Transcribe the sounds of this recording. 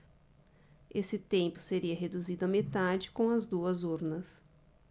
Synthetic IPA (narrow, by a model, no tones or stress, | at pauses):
esɪt̪ẽmpʊ̥seɾiɐɦed̪uzid̪ʊɐmet̪ad͡ʒɪkõw̃ɐzd̪uɐzuɾnɐs